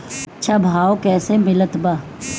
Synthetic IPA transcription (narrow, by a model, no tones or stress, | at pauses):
t͡ʃʰabʱaːokɛːsemɪlət̪baː